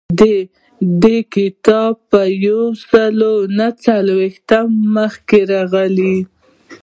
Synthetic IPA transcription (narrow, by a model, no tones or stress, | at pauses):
d̪e | d̪ekɪt̪ɑbpəjawsəlonat͡salwext̪amːəxkeɾɑɣəli